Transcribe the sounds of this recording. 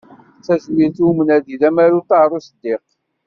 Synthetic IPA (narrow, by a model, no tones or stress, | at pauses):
t͡sːæzliɾθumənæðiðæmæɾut̪aɾˤusəd̪ːɪq